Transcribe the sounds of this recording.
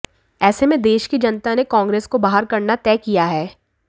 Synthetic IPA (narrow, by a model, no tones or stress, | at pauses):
ɛːsemẽd̪eːʃkid͡ʒɐnt̪anekãːŋɡɾeːskobaːɦəɾkɐɾnat̪ɛːkijaɦɛː